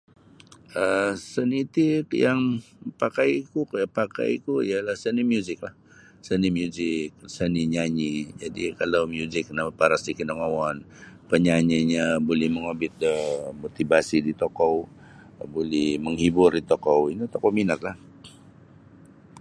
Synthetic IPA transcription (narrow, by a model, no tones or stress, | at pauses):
ʔəsənit̪ikjaŋpakajkupaka̰jkuḭalahsənimjuzɪk̚lah | sənimjuzɪk̚səniɲaɲid͡ʒadikalawmjuzɪk̚namapaɾasdikinəŋawan | pəɲaɲiɲabolɛhməŋabɪt̪̚əmot̪ibasidit̪okɔw | bolɛhməŋhibʊrit̪okɔwinit̪okɔminat̪̚lah